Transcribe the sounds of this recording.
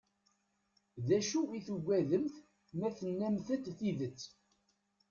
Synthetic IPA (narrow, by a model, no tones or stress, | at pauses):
ðæʃuwiθuɡʷːæðəmθ | mæθənːæmθət̪θiðət͡sː